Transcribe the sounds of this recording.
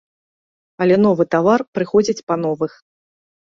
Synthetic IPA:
ɐlʲɛnɔvɨt̪avarpɾɨxɔd͡zʲit͡sʲpɐn̪ɔvɨx

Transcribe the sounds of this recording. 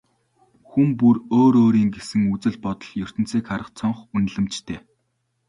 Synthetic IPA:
xumpuroːɾoːɾiːŋɡesɘ̆ŋut͡sɘ̆ɮpɔt̪ɞ̆ɮjɵr̥t̪ɘ̆nt͡siːkχaɾə̆χt͡sʰɔɴχun̆ɮɘ̆mt͡ɕt̪ʰeː

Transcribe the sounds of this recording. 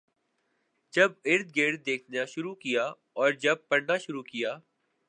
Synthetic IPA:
d͡ʒɐbɪɾd̪̚ɡeːɾ̚d̪eːkʰnaʃʊɾukɪjaː | ɔːɾd͡ʒɐb̚pɐɽnaʃʊɾuːkɪjaː

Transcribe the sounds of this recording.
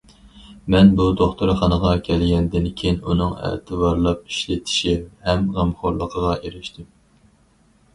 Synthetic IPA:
mɛnbud̪oχt̪ʰuɾχɑnəʁɑkʲʰɛlɡʲɛnd̪ɪnkʲʰejinunɨŋæ̰t̪ʰɨvɑɾlˠɑp̚i̥ʃlɪt̪ʰɪ̥ʃihɛmʁɑmχoɾlˠəqʰəʁɑʔeɾɪʃt̪ʰɪm

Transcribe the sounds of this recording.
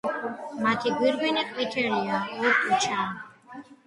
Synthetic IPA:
mat̪ʰiɡwiɾɡɛniqʼwit̪ʰɛliauɾʼut͡ʃʰaː

